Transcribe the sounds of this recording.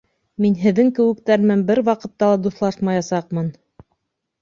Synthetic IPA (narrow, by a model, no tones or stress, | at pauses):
minɦɘ̆ðːɘŋkɘ̆wɘ̆k̚t̪æɾmɘnbɘɾwɑqɤ̆t̪ːɑlˠɑd̪uθlˠɑʃmɑjɑsɑqmɤn